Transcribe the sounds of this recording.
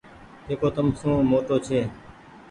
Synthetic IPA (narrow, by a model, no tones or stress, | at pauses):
d͡ʒeːkoːt̪əmsũːmoːʈoːt͡ʃʰeː